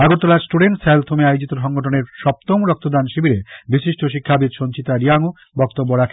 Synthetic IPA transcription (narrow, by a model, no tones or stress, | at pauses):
aɡoɾt̪olad͡ʑsʈuɖeɳʈselt̪ʰomeajod͡ʑit̪oʃɔŋɡoʈʰoneɾʃɔp̚t̪omɾɔk̚t̪od̪anʃibʱiɾebiʃiʃʈoʃ̬ikʰːabid̪ʃont͡ɕit̪aɾiaŋo | bɔkt̪obːoɾakʰe